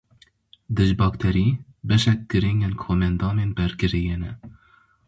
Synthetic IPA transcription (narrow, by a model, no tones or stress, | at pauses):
d̪ɨʒbɑːkt̪ʰɛɾiː | bɛʃɛk̚ɡ̥ɨɾiŋɡenkʰoːmɛnd̪ɑːmeːnbɛɾɡɨɾijeːnɛ